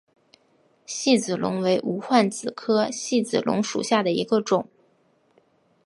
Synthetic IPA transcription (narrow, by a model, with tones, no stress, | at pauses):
ɕi˥˩t͡sɹ̩˨˩lʊ̰˧˥ŋwe˧˥ɪʔu˧˥xwa˥˩nt͡sɹ̩˨˩kʰɤ˥ɕi˥˩t͡sɹ̩˨˩lʔʊ̰˧˥ŋʂṵ˨˩ɕja˥˩d̪ə˩ḭ˧˥ɡə˧ʈ͡ʂʊ˨˩˦ŋ